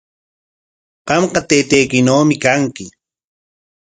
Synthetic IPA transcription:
qɑmqɑt̪ejt̪ejkɪnowmɪkaŋkɪ

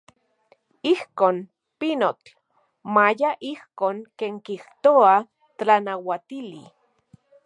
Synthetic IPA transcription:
ihkoːn | pinot͡ɬ | majaʔihkoːŋkeːŋkiht̪oa | tanawat̪ili

